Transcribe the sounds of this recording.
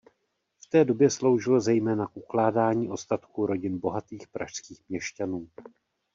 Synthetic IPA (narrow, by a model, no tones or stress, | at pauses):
ft̪ɛːdo̞bjɛslo̞wʒɪlozɛjmɛːnakʔuklaːdaːɲiːʔo̞st̪at̪kuɾo̞ɟɪnbo̞ɦat̪iːxpɾaʃskiːxmɲɛʃcanuː